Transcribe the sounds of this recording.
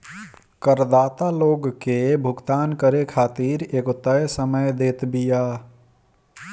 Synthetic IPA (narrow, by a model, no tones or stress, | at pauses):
kəɾd̪aːt̪aloɡkebʱʊɡt̪aːnkəɾekʰaːt̪iɾeːkot̪əjsəməjd̪eːt̪bija